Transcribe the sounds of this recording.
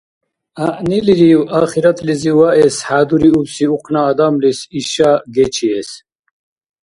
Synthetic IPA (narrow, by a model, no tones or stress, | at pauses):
aʔniliɾiwaːχiɾat̪ʰliziwaʔɛsħaːd̪uɾiubsiuqʰʼnaːd̪amlisiʃaɡɛt͡ʃʰiɛs